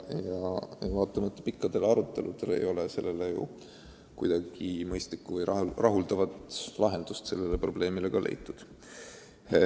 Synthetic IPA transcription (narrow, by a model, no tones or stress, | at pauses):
jɑvɑːt̪ːˑɑmɑt̪ːe̥pikˑːɑd̪̥e̞lɑɾut̪ːˑe̞lud̪̥e̞le̞̰jo̞lese̞lːe̞lejṵ | kujd̪̥ɑɡ̥imɤjst̪likːuvɤjɑrɑɦuld̪ɑvɑt̪lɑɦe̞nd̪̥ust̪se̞̰lːe̞le̞pro̞ble̞ːmile̞ɡ̥ɑlʔe̞̰jt̪ːˑud̪̥